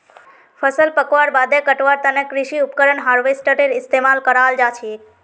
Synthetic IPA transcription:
fʰəsəlpəkʋaɾbad̪ekəʈʋaɾt̪ənekɾiʃiupkəɾəɳɦaɾʋesʈəʈeɾɪst̪emalkəɾald͡ʒat͡ʃʰie

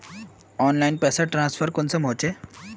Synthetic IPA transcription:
ɔnlainpɛsaʈɾãnsfəɾkont͡səm̤ot͡ɕe

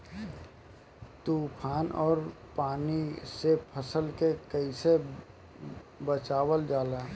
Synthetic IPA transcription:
t̪uːpʰaːnʔɔːɾpaːnisepʰəsəlkekəise | bət͡ʃaːwəld͡ʒaːle

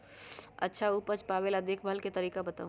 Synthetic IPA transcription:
ɐ̰tːʃʰauːpəɾt͡ʃpaːʋeːlɐd̪eːkʰbʱəlket̪ɐɾiːkabɐt̪aːũ

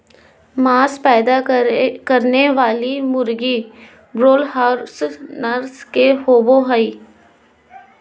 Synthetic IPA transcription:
maːspɛːd̪akəɾneʋaːlimʊɾɡi | bɾoːlɦaːɾsnəɾskehoːboɦəiː

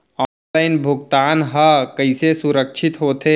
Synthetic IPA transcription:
ɔːnlaɪnbʱʊɡt̪aːnɦəkəɪsesʊɾəkʃʰɪt̪ɦoːt̪ʰe

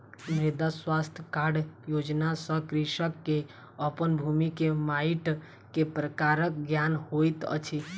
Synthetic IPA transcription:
mɾed̪aswast̪ʰjəkaɾɖjod͡ʒnasə̃kɾiʃəkːe | əpənbʱumikemaiʈ | kepɾəkaɾək̚ɡjanhojt̪ə̰t͡ʃʰi

